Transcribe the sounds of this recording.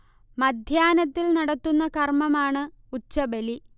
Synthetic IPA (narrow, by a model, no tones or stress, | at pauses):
mɐd̪ʱjaːnɐt̪ːilnɐɽɐt̪ːunːɐkɐrmɐmaːɳɨ | ut͡ɕːɐbeli